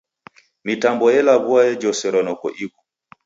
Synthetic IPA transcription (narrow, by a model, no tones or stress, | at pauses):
mitambɔjɛlaβuajɛd͡ʒɔsɛɾɔnɔkɔ̰ʔikɔ̥